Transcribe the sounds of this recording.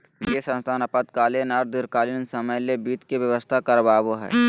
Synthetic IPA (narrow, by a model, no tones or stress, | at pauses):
jesə̃nst̪ʰaːnɐpət̪kaːlenɐɾd̪ɪɾkaːlɪnsɐməjlebiːt̪keʋjəʋəst̪ʰakɐɾbaːboɦɛ̰ː